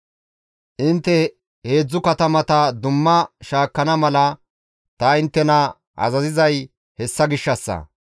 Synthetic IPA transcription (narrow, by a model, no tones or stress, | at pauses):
ʔɪnt̪ːɛ | he̞ːd͡zːʊkɐt̪ɐmɐt̪ɐd̪ʊmːɐʃaːkːɐnɐmɐlɐ | t̪ɐɪnt̪ːɛnɐ | ʔɐ̰zɐzɪzɐj | hɛsːɐɡɪʃːɐsːɐ̰